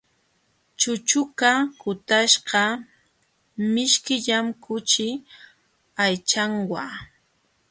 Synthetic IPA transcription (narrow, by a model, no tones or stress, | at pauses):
t͡ʃʊt͡ʃʊkakʊt̪aʃɢɑ | mɪʃkɪʎamkʊt͡ʃɪ | ajt͡ʃaŋwa